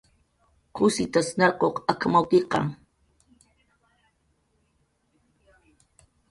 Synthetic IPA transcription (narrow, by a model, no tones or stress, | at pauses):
kʊsɪt̪asnaqoqakamawkɪqɑ̰ŋ